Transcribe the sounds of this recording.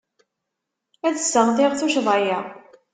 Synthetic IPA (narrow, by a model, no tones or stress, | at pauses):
æðəsːəʁðɪʁθuʃðˤɑjæ